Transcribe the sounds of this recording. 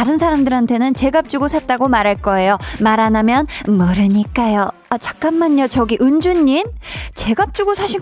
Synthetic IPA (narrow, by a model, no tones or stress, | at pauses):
aɾɯnsʰaɾamdɯɾantʰe̞nɯnt͡ɕe̞ɡap̚t͡ɕ͈uɡosʰat̚t͈aɡomaɾɦaɭk͈ʌe̞jomaɾanamjʌnmʌɾɯɲik͈ajo | at͡ɕḁk̚k͈anmaɲːʌt͡ɕʌɡiʔɯnd͡ʑuɲːimt͡ɕe̞ɡap̚t͡ɕ͈uɡosʰaɕʰi